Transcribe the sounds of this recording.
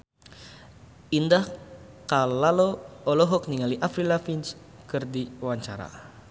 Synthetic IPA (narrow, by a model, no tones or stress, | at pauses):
indah | kalalɔɔlɔɦɔk̚niŋaliʔafɾilafins | kɨrdiwaɲt͡ʃa̰ɾa̰